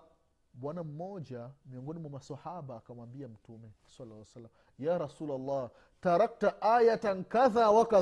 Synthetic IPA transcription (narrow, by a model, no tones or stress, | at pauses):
ɓwanam̩mɔd͡ʒamiɔŋɡɔnimwamasahaɓaːkamwambiam̩tumɛ | salːasalːam | jaːɾasuːlalˤːɑː | taɾak̚taʔajataŋ̩kaðawaka